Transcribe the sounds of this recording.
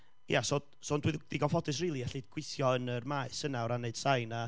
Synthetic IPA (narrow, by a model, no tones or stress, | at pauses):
jaso | sɔndwɪðiɡɔfɔdɨs̬riːlˠiɛɬɨdɡ̥wɪθjɔənərmaːɨsənawɾaneɨd̥sajna